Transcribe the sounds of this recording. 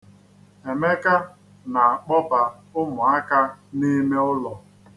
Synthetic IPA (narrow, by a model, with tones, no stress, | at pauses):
e˨me˦ka˦ | na˨a˨k͡pɔ˦pa˨ | ʊ˦mʊ˨a˦ka˦ni˦me˦ʊ˦lɔ˨